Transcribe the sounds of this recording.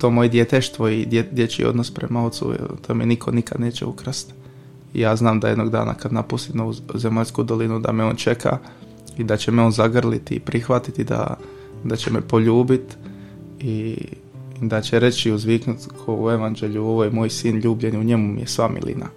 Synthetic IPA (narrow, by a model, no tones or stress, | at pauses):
t̪o̞ːmojed̪je̞t̪eʃt̪ʋo̞id̪ed̪je̞t͡ʃḭo̰d̪nospɾe̞̰mao̞t̪sṵt̪oːmenikʰo̞nikad̪neːt͡ɕḛukɾast̪ | ḭjaːznaːmd̪aje̞d̪no̞ɡd̪a̰ːna̰kad̪napust̪imouzemaʎʲskud̪o̞linud̪a̰meo̞ːnt͡ʃe̞kʰa̰ | id̪at͡ɕemeonzaɡr̩lit̪ḭpɾixʋat̪it̪id̪a̰ | d̪at͡ɕemepo̞ʎuːbit̪ | i | d̪at͡ɕeɾe̞t͡ɕiuzʋiknut̪kʰoue̞ʋand͡ʒe̞ʎuo̞ʋojemoːjsiːnʎuːbʎe̞niuɲe̞mumḭjesʋamḭlḭna̰